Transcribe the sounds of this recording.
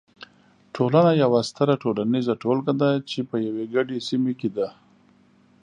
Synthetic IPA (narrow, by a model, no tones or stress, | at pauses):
ʈʰolanajawast̪aɾaʈolanizaʈolkad̪at͡ʃepəjaweɡaɖesimeked̪a